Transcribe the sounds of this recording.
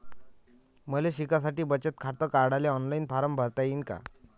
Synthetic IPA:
məleɕikasaʈiːbət͡ɕət̪̚kʰaɽt̪əːkaɾɽaleɔnlainfaɾəmbʱəɾt̪ainka̰

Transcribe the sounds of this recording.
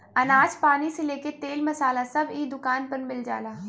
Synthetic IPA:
ɐnaːd͡ʒpaːniseleːket̪eːlmɐsaːlasɐbiːd̪ʊkaːnpɐɾmɪld͡ʒa̰ːlaː

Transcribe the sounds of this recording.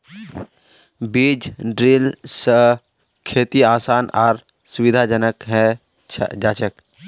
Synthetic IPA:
biːd͡ʒɖɾiːlsə | kʰeːt̪iaːsaːnɔːɾ | sʊʋɪd̪ʱad͡ʒənəkɦɛ̃ | d͡ʒaːt͡ʃək

